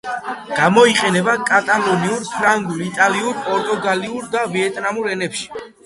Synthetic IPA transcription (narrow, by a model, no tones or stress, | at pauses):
ɡ̥amɔiqʼɛnɛbakʼat̪ʼalɔniuɾpʰɾaŋɡuɾit̪ʼaliuɾpʼɔɾt̪ʼuɡaliuɾd̪aviɛt̪ʼnamuɾɛnɛpʃi̥